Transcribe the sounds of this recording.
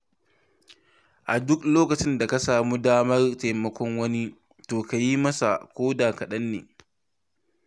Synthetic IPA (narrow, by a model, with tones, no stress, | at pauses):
ʔa˨dʊ˦kloː˦kɐ˨t͡ʃɪ˦nda˨ka˦saː˨muː˦daː˦mɐ˦rteː˨mɐ˦kʷɔ˦ŋwɐ˦ni˦ | toː˨ka˨ji˦mɐ˦sa̰˨kʷoː˦daː˨kɐ˨ɗɐ˦nːḛː˨